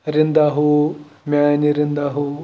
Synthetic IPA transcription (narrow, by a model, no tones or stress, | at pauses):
ɾind̪aɦumjaːniɾind̪aɦu